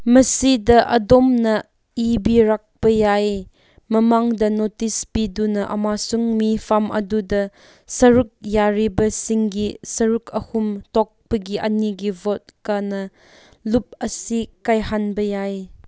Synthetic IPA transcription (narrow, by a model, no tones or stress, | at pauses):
mɐsidɐʔɐ̰dɔmnɐ | ibiɾak̚pɐjaj | mɐmaŋdɐnotispidunɐʔɐ̰masuŋmipʰamʔɐ̰dudɐ | sɐɾuk̚jaɾibɐsiŋɡisɐɾukʰɐhumtɔk̚pɐɡiʔɐniɡivot̚kanɐ | lup̚ɐsikajhanbɐjaj